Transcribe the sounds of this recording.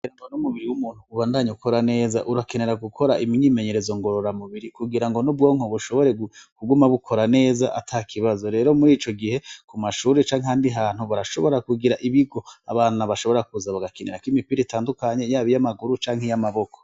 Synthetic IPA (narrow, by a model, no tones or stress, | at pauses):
kuɡiɾaŋɡonumuβiɾiwumuːn̥huːβaːndaɲukʰo̞ɾane̞ːza̰ʔuɾakene̞ɾaɡukʰo̞ɾaʔimɲime̞ɲe̞ɾe̞zo̞ŋɡo̞ɾoɾamuβiɾikuɡiɾaŋɡo̞nobɡo̞ːŋ̥oβuʃo̞βo̞ɾe̞ɡukuɡumaβukʰo̞ɾane̞ːzaʔatʰakʰiβazo̞ɾe̞ːɾo̞muɾiːt͡ʃo̞ɡihe̞kumaʃuːɾet͡ʃaːŋɦehaːndiɦaːn̥huβaɾaʃo̞βo̞ɾakuɡiɾaʔiβiɡo̞a̰βaːnaβaʃoβo̞ɾakuzaβaɡakeneɾakwimipiɾetaːndukaɲe̞jaːβijamaɡuɾut͡ʃaːŋhejamaβo̞ko̥